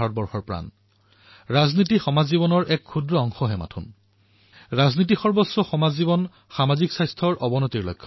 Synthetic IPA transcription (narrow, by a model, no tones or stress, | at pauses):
aɹɔt̚bɔɹxɔɹpɹa̰n | ɹaznitixɔmazːibɔnɔɹʔɛkʰːudɹɔɔŋxɔɦɛma̰tʰṵn | ɹaznit̬ixɔɹbɔsːɔxɔmazibɔn | xamaziksajstʰɔɹʔɔbɔnɔtiɹlɔ̰jkʰːɔ